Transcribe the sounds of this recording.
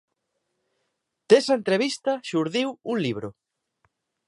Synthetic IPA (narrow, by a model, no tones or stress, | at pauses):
d̪̥esɐent̪ɾeβ̞ist̪ɐʃuɾðiwuŋliβ̞ɾʊ